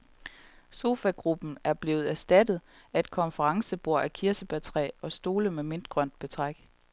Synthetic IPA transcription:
so̝ːfæɡ̥ʁub̥n̩æɐb̥le̝ːʊð̩ˠæɐsd̥æd̥ð̩ˠ | æd̥̚kʰɒ̽nfəʁɑ̈ŋsəb̥o̝ɐ̰ækʰiɐsəb̥æt͡sʰʁɛ̰ːɒ̽sd̥o̝ːləmeme̝nd̥ɡ̥ʁɶn̰d̥b̥e̝t͡sʰʁaɡ̥

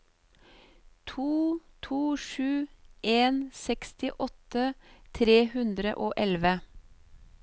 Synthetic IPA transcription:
t̪ʰuːt̪ʰuːʃʉːʔeːnsɛkst̪ɪʔɔt̪ət̪ʰɾeːhʉnd̪ɾə̰ʔoːʔɛlʋə

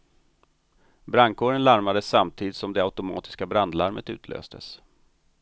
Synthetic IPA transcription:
bɾaŋkoːɾənlaɾmad̪əsːamt̪ʰiːd̪ɪt̪sɔmd̪ɛaʊt̪ʊmɑ̰ːt̪ɪ̥skabɾand̪laɾmət̪ʉ̟ːt̪ʰlø̰ːst̪ʰə̰s

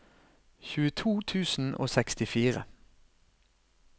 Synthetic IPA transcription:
çʉːət̪ʰuːt̪ʰʉːsn̩ʔo̰ːsɛkst̪ɪfiːʁə̰

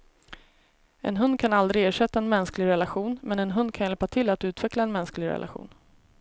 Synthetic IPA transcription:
ʔɛ̰nɦɵnd̪̚kʰanald̪ɾɪɡeːʂɛt̪ːaɛnmɛnsklɪɡɾɛlaɧuːnmɛnɛnɦɵnd̪̚kʰanjɛlpat̪ʰɪlat̪ʉ̟ːt̪ʰvɛklaɛnmɛnsklɪɡɾɛ̰lʔa̰ɧṵːn

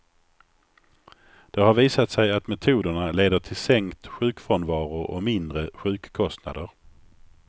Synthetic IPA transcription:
d̪̥ɛhaɾviːsat̪sɛjat̪mɛt̪ʰuːd̪əɳaleːd̪əʈʰɪlsɛŋkt̪ɧʉ̟ːkfɔnvɑːɾʊɾɔ̰mɪnd̪ɾəɧʉ̟ːkkʰːɔst̪na̰d̪əɾ

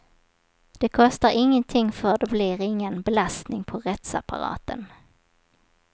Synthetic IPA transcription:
d̪̥ɛkʰɔst̪aɾʔɪŋːənt̪ʰɪŋːfœɖɛblɪɾɪŋːənbɛlast̪nɪŋpʰɔɾɛt̪sa̰pʰa̰ɾɑ̰ːt̪ə̰n

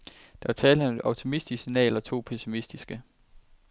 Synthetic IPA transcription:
d̥æt͡sʰɛːləmeɒʊt͡sʰimisd̥isinɛ̰ːlɒ̽t͡sʰo̝̰ːpʰesimisd̥isɡ̥ə

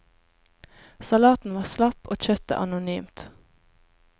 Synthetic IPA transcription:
sɑlɑːt̪n̩ʋɑːslɑpʔoːc͡çœt̪ə̰ʔɑ̰nʊnyːmt̪

